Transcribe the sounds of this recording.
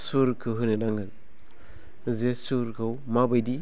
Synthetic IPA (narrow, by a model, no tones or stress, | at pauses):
suɾkʰɯɦɯnedaŋɯl | zesuɾkʰɯwmabajdi